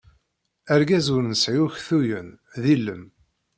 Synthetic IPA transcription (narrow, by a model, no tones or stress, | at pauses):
æɾɡæzʊɾnəsʕiuçθujən | ðilːəm